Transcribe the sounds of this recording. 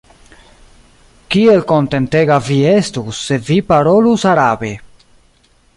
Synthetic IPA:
kie̞lko̞nte̞nteɡavie̞stusːe̞vipaɾolusaɾabe̞

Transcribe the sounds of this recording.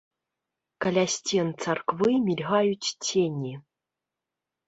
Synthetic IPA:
kalʲasʲtʲent͡sarkvɨmʲilʲɣɑjut͡ɕʲtʲʰenʲi

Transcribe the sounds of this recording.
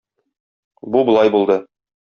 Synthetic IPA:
bubŏlˠɑjbulˠd̪ɤ

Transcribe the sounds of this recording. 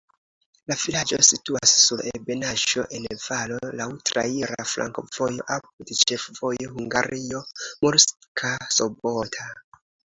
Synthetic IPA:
lavilad͡ʒo̞̰situasːulʔebe̞naʒo̞̰ʔe̞nv̥alo̞lawtɾa̰iɾaflʔa̰ŋkov̥ojo̞ʔap̚udet͡ʃe̞fv̥o̞johuŋɡaɾio̞moɾskʰasobotʰa

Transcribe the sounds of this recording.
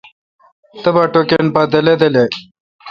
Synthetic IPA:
t̪əbɐʈokenpad̪ɐled̪ele

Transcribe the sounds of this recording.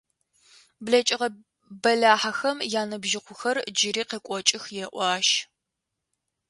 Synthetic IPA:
blɐt͡ʃʼɪʁɐ | bɐɮaːħaxɐmjaːnɐbʒɪqʷʊxɐrd͡ʒɪɾiːqekʷʼɔt͡ʃʼɪxjɛʔʷɑːʃ

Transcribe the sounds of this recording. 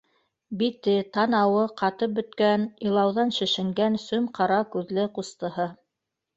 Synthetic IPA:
bit̪ɘt̪ɑnɑwɤqɑt̪ɤp̚bɵ̆t̪kænilˠɑwðɑnʃɘ̆ʃɘ̆ŋɡænsʉmqɑɾɑkʉðlɘqust̪ɤ̆ɦɤ

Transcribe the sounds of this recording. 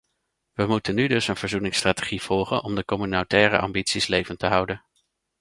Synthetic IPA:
ʋəmutənːydɵsənvəɹzunɪŋstraːteχiv̥ɔlˠχənʔɔmdəkɔmynotɛːrə̰ʔɑ̰mbitsislejvəntəɦʌwdən

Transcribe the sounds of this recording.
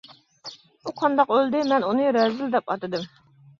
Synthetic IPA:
uqʰɑnd̪ɑqøld̪ɪmɛnunɨɾɛzɪld̪ɛpɑt̪ɨd̪ɨm

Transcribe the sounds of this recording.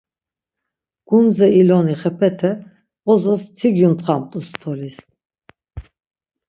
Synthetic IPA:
ɡ̥und͡zɛilɔniχɛpʰɛt̪ʰɛ | ɔzɔst͡sʰiɡjunt̪χamt̪ʼust̪ʰɔlis

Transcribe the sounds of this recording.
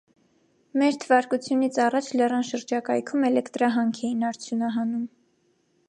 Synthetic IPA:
mɛɾt̪ʰəvɑɾkut͡sʰjunit͡sʰɑrɑt͡ʃʰlɛrɑnʃəɾd͡ʒɑkɑjkʰumɛlɛkt̪ɾɑɦɑŋkʰɛjinɑɾt͡sʰjunɑɦɑnum

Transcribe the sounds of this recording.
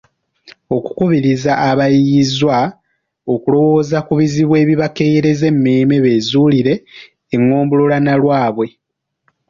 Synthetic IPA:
o̞ku̥kuβiɾizaʔːβajizwa | o̞kulo̞wo̞ːzakuβiziβwe̞ːβiβake̞jɾe̞ze̞mːeːme̞βe̞ːzuːliɾe̞ː | ŋːo̞ːmbulolanalwaːβwe̞

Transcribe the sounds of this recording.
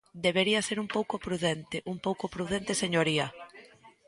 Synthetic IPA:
d̪eβ̞eɾiɐseɾumpowkopɾuðent̪ɪʔumpowkopɾuðent̪eseɲoɾiɐ

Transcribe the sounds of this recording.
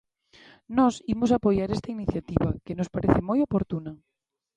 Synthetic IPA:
nɔsimosapojaɾest̪ainiθjat̪iβa̰kenospaɾeθɪmojopoɾt̪unɐ

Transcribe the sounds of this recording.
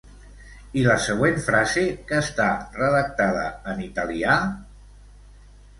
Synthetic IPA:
iləsəɣwenfɾazekəːst̪arəðək̚t̪að̞ə̰ːnit̪əlia

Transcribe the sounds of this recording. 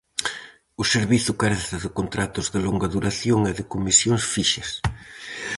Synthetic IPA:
ʊseɾβiθʊkaɾat̪eɾðɪkont̪ɾat̪ʊzðɪloŋɡɐðuɾaθjoŋɛðɪkomisjoŋsfiʃɐs

